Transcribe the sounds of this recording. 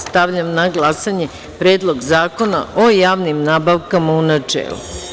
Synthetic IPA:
st̪aʋʎamnaɡlˠasaɲe | pɾe̞ːd̪lˠo̞ɡzaːko̞na̰ʔojaːʋnimnaːbaʋkamaunat͡ʂḛːlṵ

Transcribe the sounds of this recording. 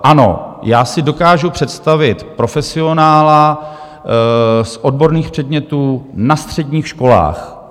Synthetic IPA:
ʔano̞̰jaːsɪdo̞kaːʒupr̝̥ɛt̪st̪avɪt̪pɾo̞fɛsɪo̞naːla | sʔo̞d̚bo̞ɾniːxpr̝̥ɛdɲɛt̪uːnast̪r̝̥ɛdɲiːxʃko̞la̰ːx

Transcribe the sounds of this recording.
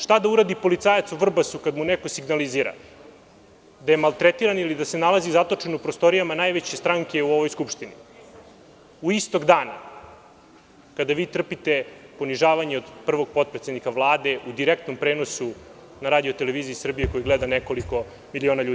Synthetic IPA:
ʂt̪ad̪auɾad̪ipo̞lit̪saːjat̪suʋr̩basukad̪muneko̞siɡnaliziːɾa̰ | d̪aje̞malˠt̪ɾet̪iɾanilid̪asenalˠazizat̪o̞t͡ʂenupɾost̪o̞ɾijamanajʋet͡ɕest̪ɾaŋke̞uo̞ʋo̞jskupʂt̪ini | uist̪o̞ɡd̪aːna̰ | kad̪aʋiːt̪r̩pit̪epo̞niʒaːʋaɲeod̪pr̩ʋo̞ɡ̚po̞t̪̚pɾet̪sed̪nikaʋlˠaːd̪e̞ʔud̪iɾek̚t̪no̞mpɾeːno̞su | naɾaːd̪iot̪e̞leʋiːziisr̩bijeko̞jiɡled̪anekoliko̞ | milioːnaʎuːd̪i

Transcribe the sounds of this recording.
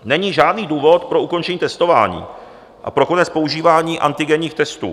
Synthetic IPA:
nɛɲiːʒaːdniːduːvo̞t̪pɾo̞ʔuko̞nt͡ʃɛɲiːt̪ɛst̪o̞va̰ːɲḭː | ʔa̰pɾo̞ko̞nɛt͡spo̞uʒiːvaːɲiːʔa̰nt̪ɪɡɛɲiːxt̪ɛst̪ṵː

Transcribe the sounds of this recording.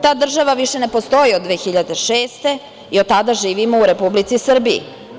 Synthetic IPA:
t̪aːd̪r̩ʒaʋaʋiʃe̞ne̞po̞st̪o̞jiod̪d̪ːʋe̞ːxiʎad̪eʃeːst̪e̞ | iod̪̚t̪ad̪aʒiːʋimouɾe̞publit̪sisr̩biḭ

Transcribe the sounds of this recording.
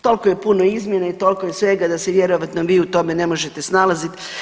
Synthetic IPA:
t̪o̞lkoje̞punoizmjenait̪o̞lkojesʋe̞ɡad̪aseʋjeɾoʋat̪noʋiːut̪o̞mene̞mo̞ʒe̞t̪esnalazit̪

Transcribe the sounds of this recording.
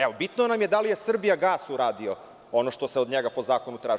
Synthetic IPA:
eʋobit̪nonamje̞d̪alije̞sr̩bijaɡaːsuɾaːd̪io | onoʃt̪oseod̪ɲeɡapo̞zaːko̞nut̪ɾaːʒ

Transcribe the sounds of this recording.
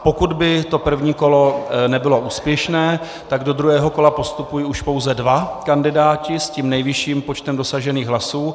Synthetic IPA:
po̞kud̪bɪt̪o̞pr̩vɲiːko̞lonɛbɪlo̞ʔuːspjɛʃnɛː | t̪aɡdo̞d̪ɾuɦɛːɦo̞ko̞lapo̞st̪upujiːuʃpo̞wzɛdvakandɪdaːcɪscimnɛjvɪʃiːmpot͡ʃt̪ɛmdo̞saʒɛniːɣɦlasuː

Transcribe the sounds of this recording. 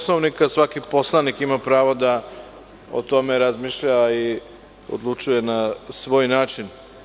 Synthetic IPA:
snoʋnikasʋakipo̞slˠanikimapɾaːʋod̪a | o̰t̪o̞me̞ɾazmiʃʎai | o̰d̪lˠut͡ʃuje̞nasʋo̞ːjnaːt͡ʃin

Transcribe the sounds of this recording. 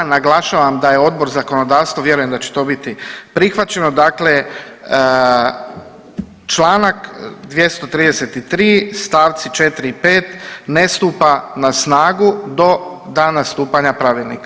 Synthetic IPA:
naɡlˠaʃaʋamd̪ajeo̞d̪̚bo̞ɾzako̞no̞d̪aːʋst̪ʋaʋje̞ɾuje̞md̪at͡ɕe̥t̪o̞bit̪ipɾixʋat͡ɕe̞nod̪akle | t͡ʃlˠaːnakd̪ʋje̞st̪o̞t̪ɾiːd̪ese̞t̪it̪ɾiːst̪aːʋt̪sit͡ʃe̞t̪ɾipe̞ːt̪nest̪uːpanasnaːɡud̪o̞d̪aːnast̪uːpaɲapɾaʋilˠnḭka

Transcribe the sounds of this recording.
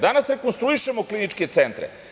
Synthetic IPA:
d̪anasɾe̞konst̪ɾuiʃe̞mo̞klinit͡ʃke̞t̪sent̪ɾḛ

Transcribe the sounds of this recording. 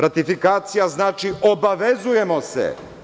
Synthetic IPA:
ɾat̪ifikaːt̪sijaznaːt͡ʃio̞baʋezuje̞mo̞sḛ

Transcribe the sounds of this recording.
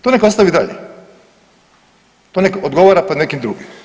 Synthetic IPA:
t̪onekost̪aʋid̪aʎḛ | t̪onekod̪ɡoʋaɾapod̪nekimd̪ɾuːɡim

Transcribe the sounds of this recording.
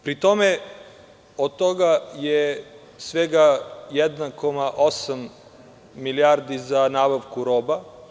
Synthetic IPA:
pɾit̪ome | od̪̚t̪oɡaje | sʋeɡajɛd̪nako̞maʔosamː | iliaɾd̪izanaːbaʋkuɾoːba

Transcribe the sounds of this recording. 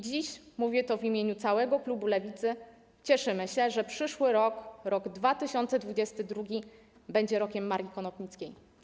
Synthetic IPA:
d͡ʑiɕmuvʲjɛt̪ɔvimʲjeɲut̪sawɛɡɔklubulɛvʲit̪sɘ | t͡ɕɛʂɘmɘɕɛʐɛpʂɘʂwɘɾɔkɾɔɡd̪vat̪ɘɕɔnt̪sɛd̪vud͡ʑɛst̪ɘd̪ɾuɡʲi | bɛɲd͡ʑɛɾɔkʲɛmːaɾʲjʲikɔnɔpɲit̪skʲej

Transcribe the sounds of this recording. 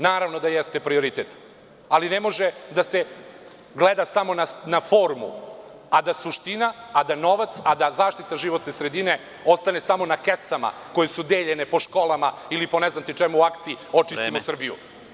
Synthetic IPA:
naːɾaʋno̞d̪ajest̪epɾio̞ɾit̪et̪ | alinemo̞ʒed̪ase | ɡled̪asamo̞nanafo̞ːɾmṵ | ad̪asuʃt̪inaːd̪ano̞ʋat̪sad̪azaːʃt̪it̪aʒiʋo̞t̪nesɾed̪ine̞ | o̞st̪ane̞samo̞nakesama̰ko̞jesud̪eːʎenepo̞ʃko̞lˠama | ilipo̞neznant̪it͡ʃemuuakt̪siio̞t͡ʃisimosr̩bijṵ

